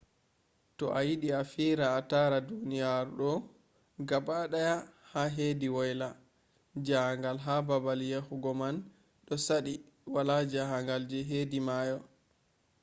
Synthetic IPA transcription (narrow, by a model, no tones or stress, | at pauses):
tɔ̰ʔajiɗiafiɾaːtaɾadunijaɾɗɔ | ɡabaɗajahaɦeːdiwɔjla | d͡ʒaŋɡalɦababaljehuɡɔman | ɗɔsaɗi | walad͡ʒaɦaŋɡald͡ʒɛɦedimajɔ